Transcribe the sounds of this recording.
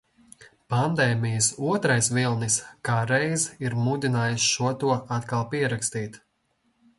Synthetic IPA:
pand̪ɛːmijəsuɔt̪ɾajsvilˠniskaːɾɛjziɾmud̪ʲinaːjusʃuɔt̪uɔat̪kalˠpiɛɾakst̪iːt̪

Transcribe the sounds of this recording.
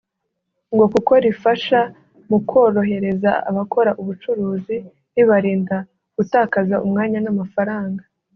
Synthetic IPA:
ŋɡo̞kuko̞ɾifaʃa | mukʰo̞ːɾo̞ɦe̞ɾe̞zaa̰βakʰo̞ɾaʔuβut͡ʃuɾuːzi | ɾiβaɾiːnda | ɡ̥utaːkazaʔumŋaːɲanamafaɾaːŋɡa

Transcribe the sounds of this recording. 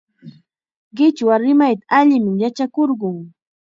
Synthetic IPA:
ɢɪt͡ʃwaɾɪmajt̪aaʎɪmɪjat͡ʃakoɾɢʊŋ

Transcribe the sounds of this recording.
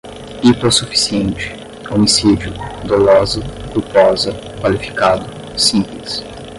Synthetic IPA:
it̪osufi̥siẽnt͡ʃɪ̥ | omisid͡ʒʊd̪olɔzɐkupɔzɐ | kwalifi̥kad̪ʊ | sĩmplɪs

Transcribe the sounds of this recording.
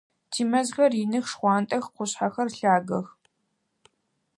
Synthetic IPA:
tʰiːmɐzɣɐrɪnɨxʂχʷɑːntʼɐxqʷʊɕħaxɐrɬaːɡɐx

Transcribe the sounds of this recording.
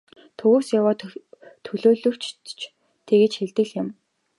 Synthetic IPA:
t̪ʰɵɣoːsjawaːt̪ʰt̪ʰɵɮoːɮɵ̆rt͡ɕt͡ɕʰ | t̪ʰeɣĕːt͡ɕxeɮt̪ɘ̆ɮjɪ̆m

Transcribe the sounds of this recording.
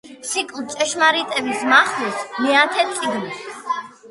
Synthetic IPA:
sikʼlt͡ʃʼɛʃmaɾit̪ʼɛbismaχlusmɛat̪ʰɛt̪sʼiɡn

